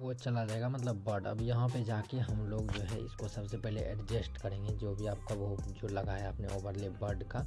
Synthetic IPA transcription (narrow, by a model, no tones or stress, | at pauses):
ʋot͡ʃɐlad͡ʒaːeːɡamɐt̪ləbːɐɾɖɐ̰bjɐɦãped͡ʒaːkeɦɐmloːɡd͡ʒoːɦɛ̰ɪ̰skosɐbsepɛɦleʔɛɖd͡ʒesʈkɐɾẽɡed͡ʒoːbʱiaːp̚kaʋod͡ʒolɐɡaɦɛaːpneoːbəɾlebɐɾɖka